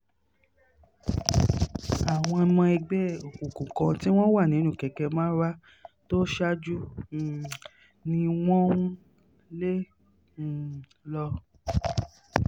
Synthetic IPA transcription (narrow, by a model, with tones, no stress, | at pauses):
a˨w̃ɔ̃˧a˧mɔ̃˧ɛ˧ɡ͡bɛ˦o˨kũ˨kũ˨kã˧ti˦w̃ɔ̃˦wa˦˨nĩ˨˦ũ˦˨kɛ˨kɛ˧mãː˦ɾa˦ | to˦ʃa˦d͡ʒu˦˨ | nĩ˧w̃ɔ̃˦ | lẽ˦˨ | lɔ˧